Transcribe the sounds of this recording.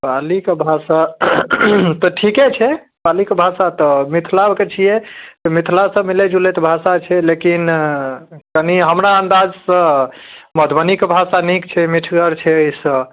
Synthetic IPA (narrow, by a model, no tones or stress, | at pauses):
palikebʱasa | t̪ɔʈʰiket͡ʃʰɛ | palikebʱasat̪ɔmit̪ʰlabket͡ʃʰijɛt̪ɔmit̪ʰlasə̃miled͡ʒulet̪bʱasat͡ʃʰɛlekin | kəniɦəmɾaənd̪ad͡ʒsə̃məd̪ʱbənikebʱasanikt͡ʃʰɛmiʈʰɡəɾt͡ʃʰɛəjsə̃